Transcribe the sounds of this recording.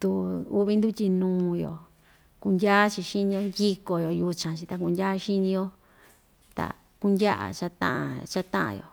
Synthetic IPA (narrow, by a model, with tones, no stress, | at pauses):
t̪u˧u˦βi˧˦nd̪u˦tʲi˧nũː˧˦jo̰˨ | ku˧ndʲa˦t͡ʃi˧ʃi˦nĩ˧o˧ndʲi˦ko˨jo˨ju˧t͡ʃã˨t͡ʃi˧t̪a˧ku˧ndʲa˦˧ʃi˦nĩ˧jo˧ | t̪a̰˨ | ku˦ndʲa˦ʔa̰˨t͡ʃa˧t̪ã̰˦ʔã̰˧t͡ʃa˦t̪ã˦ʔã̰˧˨jo̰˨